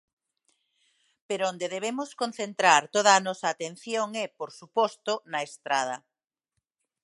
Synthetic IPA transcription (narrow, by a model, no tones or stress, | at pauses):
peɾoond̪eðeβ̞emʊskon̟θent̪ɾaɾt̪oð̞ɐaːnɔsɐːt̪en̟θjoŋɛpoɾsupɔst̪onɐest̪ɾað̞ɐ